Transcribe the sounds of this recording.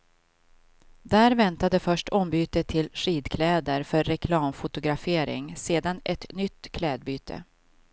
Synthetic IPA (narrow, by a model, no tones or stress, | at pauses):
d̪æːɾvɛnt̪ad̪əfœʂʈʰɔmbyːt̪ət̪ʰːɪlʂiːd̪kʰlɛːd̪əɾfœɾːɛkʰlɑːmfʊt̪ʊɡɾafeːɾɪ̰ŋseːd̪anʔɛt̪nʏt̪ːkʰlɛːd̪̚byːt̪ʰə̰